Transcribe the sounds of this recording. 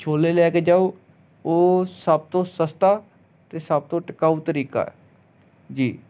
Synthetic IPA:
t͡ʃʰoːleːlɛːkeːd͡ʒaːoː | oːsəb̚t̪õːsəst̪aː | t̪eːsəb̚t̪õːʈəkaːut̪əɾiːka̰ːɛ̰ | d͡ʒiː

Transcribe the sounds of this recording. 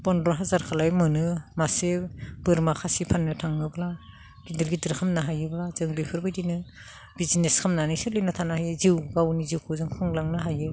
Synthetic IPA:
b̥ɔnɾɔɦazaɾkʰalajmɯnɯmaseb̥ɯɾmakʰasipʰanːɯtʰaŋɯbla | ɡ̥idɯɾɡidɯɾkʰamnaɦajɯblazɯŋbipʰɯɾbɯjdinɯ | bizineskʰamnanisɯlɯjnɯtʰanahijziwɡawniziwkʰuzɯŋkʰɯŋlaŋnaɦajɯ

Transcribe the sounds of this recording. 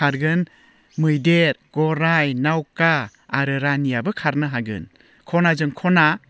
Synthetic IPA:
aɾɡɯn | mɯjdeɾɡ̥ɔɾajnawkaː | ɾɯɾanijabɯkʰaɾnɯɦaɡɯ̰n | kʰɔnazɯŋkʰɔna

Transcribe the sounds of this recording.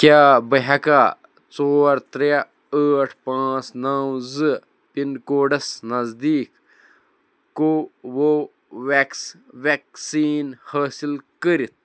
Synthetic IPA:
kʲjaːbɐɦɐka | t͡soːɾt̪ɾa | əːʈʰpãːt͡snaːwzɨ | pinkoːɖɐsnɐzd̪iːk | owo | ʋeks | ʋeksiːnhaːsilkəɾit̪̚ʰ

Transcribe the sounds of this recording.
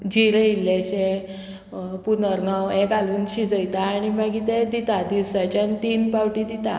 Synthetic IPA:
d͡ʑiɾeilːeɕe | punəɾnɔwɛ̃kaluːnɕid͡zəjt̪aːɽ̃imaɡit̪ed̪it̪ad̪iwsat͡ɕanit̪inpawʈid̪it̪a

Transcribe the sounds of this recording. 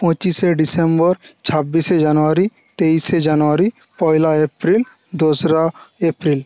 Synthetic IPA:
pɔ̃t͡ʃiseɖisembɔɾt͡ʃʰabːised͡ʒanoaɾi | t̪ejsed͡ʒanoaɾi | pɔjlaepɾil | d̪osɾaepɾil

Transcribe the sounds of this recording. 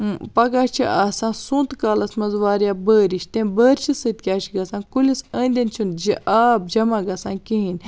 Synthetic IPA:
pɐɡaːt͡ʃʰiʔaːsãːnsũːnt̪kaːlɐsmɐzʋaːɾjaːbəːɾiʃt̪ẽbəːɾʲt͡ʃʰisɨt̪̚kʲaːt͡ʃʰiɡɐsãːnkulʲisə̃ːnʲd̪ʲɐnt͡ʃʰund͡ʒiʔaːb̚d͡ʒɐmaːɡɐsãːnkiɦinʲ

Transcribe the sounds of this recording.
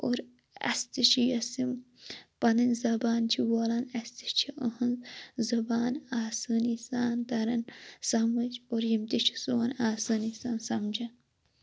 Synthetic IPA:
oɾ | ɐ̰st̪it͡ʃʰijɐsim | pɐnɐnʲzɐbaːnt͡ʃʰiwoːlanɐst̪i̥ʃt͡ʃʰiʔəhɐnzɐbaːnaːsɨːnisaːnt̪ɐɾɐnsɐmɐt͡ʃoɾjimt̪it͡ʃʰi̥soːnaːsɐːnisaːnsɐmd͡ʒɐn

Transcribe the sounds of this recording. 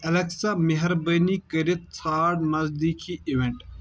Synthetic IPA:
ɐlɐksameɦɐɾbɐnikɐɾit̪̚t͡sʰaːɖmɐzd̪ikʰiiʋeɳʈ

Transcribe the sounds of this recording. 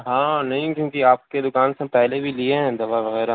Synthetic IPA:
ɦãːnɐɦĩkjõːkiaːp̚ked̪ʊkaːnsẽpɛɦlebʱilieɦɛ̃d̪ɐʋaʋɐɣɛːɾa

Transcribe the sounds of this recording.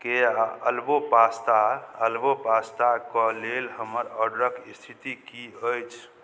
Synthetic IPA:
keəlbobast̪aəlbobast̪akɔlelɦəməɾəɖɾəkist̪ʰit̪ikiəjt͡ʃʰ

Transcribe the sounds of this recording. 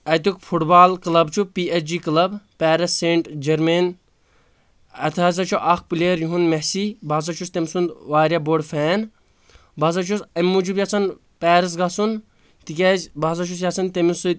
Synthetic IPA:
ɐt̪ukfʰuʈbaːlklɐbt͡ʃʰupiːet͡ʃd͡ʒiːklɐbpɛːɾɐsːeɳʈd͡ʒɐɾmen | ɐt̪ʰaːz̬ɐt͡ʃʰuʔɐxpuleːɾjuɦunmɛsibaːs̬ɐt͡ʃʰust̪emsund̪ʋaːɾʲjaboɖfʰɛːn | baːs̬ɐt͡ʃʰusɐmːud͡ʒubjat͡sʰɐn | pɛːɾɐs̬ɡasun | t̪ikʲɛzbaːs̬ɐt͡ʃʰus̬jasɐnt̪emisu

